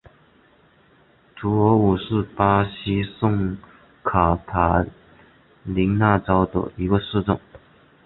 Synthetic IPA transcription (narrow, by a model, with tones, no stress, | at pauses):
ʈ͡ʂu˧˥ɔ˧˥u˨˩ʂɻ̩˥˩pa˥ɕi˥sʊ˥˩ŋ | kʰa˨˩p̪ʰa˨˩ | li˧˥ŋna˥˩ʈ͡ʂɑ˥ʊd̪ə̰˨i˧˥ɡə˧ʂɻ̩˥˧ʈ͡ʂʊ˥˩ŋ